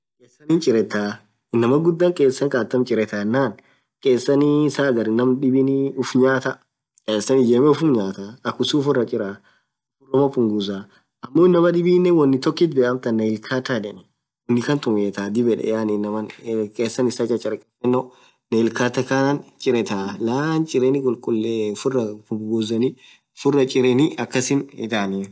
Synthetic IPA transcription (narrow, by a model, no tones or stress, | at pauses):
kʼeːsːɐnint͡ʃʼɪɾɛt̪ːaː | ɪnːɐmɐɡʊd̪ːaːŋkʼeːsːɐŋkʼaːt̪ːɐmt͡ʃʼɪɾɛt̪aɛnːaːn | kʼeːsːɐnisaːɡɐɾɪnːɐmɗɪbɪnʊfɲaːt̪ɐ | kʼeːsɐnɪd͡ʒeːmɛʊfʊmɲaːt̪aɐkːʊsuːfɪrɐt͡ʃʼɪɾa | kʊrɔmɐfʊŋɡʊzaː | ʔɐmːoɪnːɐmɐᶑɪbiːnːɛwɐnːɪt̪ɔkːɪt̪̚beːʔɐmt̪ɐnːɐɪlkʰaːt̪adɛnɛ | wɔnːɪkɐnt̪ʊmeːt̪aːd̪ɪbɛᶑɛ̰jaːninːɐmɐnkʼeːsːɐnɪsat͡ʃʼːɐt͡ʃʼɐɾkʼɛtːɛnːɔ | nɐɪlkaːt̪ːɐkanant͡ʃʼɪɾɛt̪alaːnt͡ʃʼɪɾenɪkʼʊlkʼʊlːefʊrːɐpʊɡʊzɐni | fʊrːɐt͡ʃʼɪɾɛnɪɐkːɐsɪnɪ̰t̪aːni